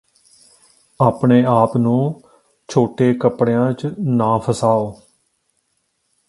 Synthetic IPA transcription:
aːpɳeːaːpnũː | t͡ʃʰoːʈeːkəpɽejãːt͡ʃnãːpʰəsaːoː

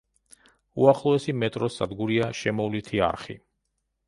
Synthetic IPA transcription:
uaχlˠɔɛsimɛt̪ʼɾɔsa̰d̪ɡuɾiaʃɛmɔvlit̪ʰia̰ɾχḭ

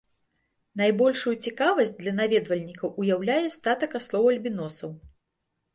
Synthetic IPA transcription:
najbɔlʲʂujut͡sʲikavɐzʲd͡zʲd̪lʲɐnavʲɛd̪vɐlʲnʲikɐwʔujawlʲajɛst̪at̪ɐkaslˠɔwɐlʲbʲinɔsɐw

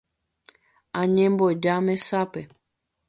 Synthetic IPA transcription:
aɲɛ̃mbɔdamɛsapɛ

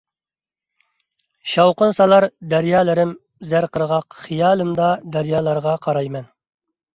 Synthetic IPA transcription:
ʃɑwqənsɑlˠɑɾd̪æɾjɑːlˠɪɾɪm | zæɾqəɾʁɑqχijɑːlˠɨmd̪ɑd̪æɾjɑːlˠɑɾʁɑqʰɑɾɑjmɛn

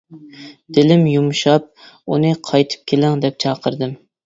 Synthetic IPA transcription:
d̪̥ɪlɪmjumʃɑp̚unɨqʰɑjt̪ʰɨ̥p̚kʲʰelɪŋd̪ɛp̚t͡ʃʰɑːqʰəɾd̪ɨm

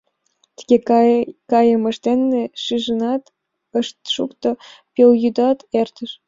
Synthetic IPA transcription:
t̪ə̥ɣ̥ekkɑjəməʃt̪enːeʃiʒənɑt̪ | əʃt̪ʃukt̪opeljyd̪ɑt̪ert̪əʃ

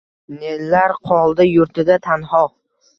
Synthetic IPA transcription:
nelːaɾqʰɒlˠd̪ɪjʊɾt̪ʰɪd̪at̪ʰanɦɒ

